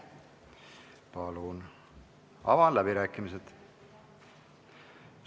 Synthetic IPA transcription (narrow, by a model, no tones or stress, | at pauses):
pɑlun | ɑ̰vɑnlæbiɾæːkːˑimised̪̥